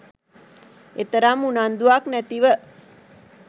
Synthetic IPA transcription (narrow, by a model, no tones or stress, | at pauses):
et̪əɾamunand̪uaknæt̪iʋə